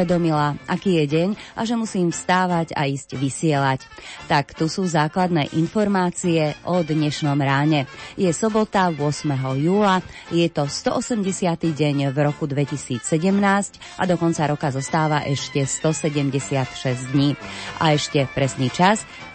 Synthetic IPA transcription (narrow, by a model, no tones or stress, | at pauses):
ɛd̪ɔmilaʔakiːjɛɟɛɲʔaʒɛmusiːmfst̪aːʋaca̰iːzcʋisɪɛlact̪akt̪usuːzaːklad̪nɛ̰ːʔinfɔɾmaːt͡siɛʔɔd̪ɲɛʃnɔmɾaːɲɛjɛsɔbɔt̪aʋʊɔsmɛɦɔjuːla | jɛt̪ɔst̪ɔʔɔsɛmɟɛsɪat̪iɟɛɲvɾɔkud̪ʋɛcisiːt͡sːɛɟɛmnaːsc | ʔad̪ɔkɔnt͡saɾɔkazɔst̪aːʋaʔɛʃcɛst̪ɔsɛɟɛmɟɛsɪat̪ʃɛzd̪ɲiːʔa̰ɛʃcɛpɾɛsniːt͡ʃas